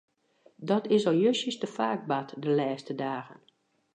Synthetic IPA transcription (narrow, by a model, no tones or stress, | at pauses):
dɔtɪsɔjøʃəstəfaːɡ̚batdəlɛːstədaːɣə̰n